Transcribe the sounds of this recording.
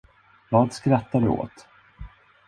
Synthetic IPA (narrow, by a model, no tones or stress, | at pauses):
vɑːd̪skɾat̪ːad̪ɵ̰o̰ːt̪